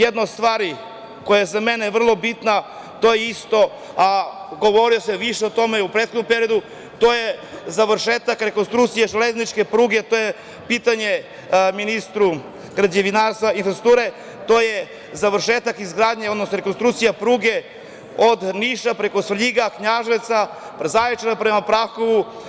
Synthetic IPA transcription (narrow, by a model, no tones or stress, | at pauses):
jed̪noost̪ʋaːɾi | ko̞jazame̞neʋr̩lˠo̞bit̪na | t̪o̞jeist̪o̞ | aɡo̞ʋo̞ɾioseʋiʃeot̪o̞me̞upɾet̪xod̪ompe̞ɾio̞d̪u | t̪o̞je̞zaʋrʃeːt̪akɾe̞konst̪ɾukt̪sijaʒeleznit͡ʃke̞pɾuːɡe̞t̪o̞je | pit̪aɲe̞ | minist̪ɾu | ɡɾaɲeʋinaɾst̪ʋainfɾesɾu̥t̪uːɾe̞ | t̪o̞je | zaʋɾ̩ʃeːt̪akizɡɾaːd̪ɲeod̪nosnoɾeko̞nst̪ɾukt̪sijapɾuːɡe̞ | od̪niʃapɾe̞ko̞sʋʎiɡakɲaʒeʋt̪sa | pɾezajet͡ʃenapɾe̞mapɾaxo̞ʋu